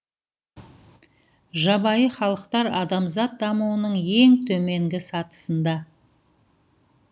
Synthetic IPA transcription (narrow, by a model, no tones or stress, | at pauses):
ʒɑbɑjəχɑlˠəqt̪ɑɾɑd̪ɑmzɑt̪̚d̪ɑmuwənəɴe̞ŋt̪ʰɵme̞ŋɡʲɪsɑt̪ə̥sənd̪ɑ